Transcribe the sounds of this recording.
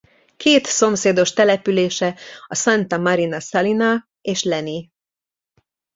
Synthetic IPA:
kʰeːt̪so̞mseːd̪o̞ʃt̪ɛlɛpyleːʃɛɒsɑnt̪ɒmɒɾinɒsɑlinɒ | eːʃlɛni

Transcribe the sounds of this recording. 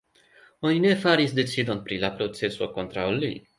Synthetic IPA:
onine̞faɾisd̪e̞t͡sid̪o̞npɾilapɾo̞t͡se̞so̞̰ko̞nt̪ɾawli

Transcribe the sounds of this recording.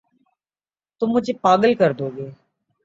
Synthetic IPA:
t̪ʊmːʊd͡ʒepaːɡəlkəɾd̪oːɡeː

